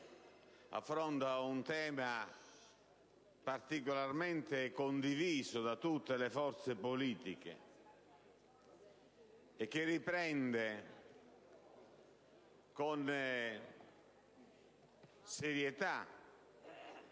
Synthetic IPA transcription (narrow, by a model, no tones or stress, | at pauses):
a̰fːɾɔnt̪aunt̪ɛːma | part̪ikolarmɛnt̪ekond̪iviːzʊd̪at̪ut̪ːelefɔɾt̪sepoliːt̪ik̟ḛ | ɛk̟ːerːipɾɛnd̪e | kon | seɾjɛt̪a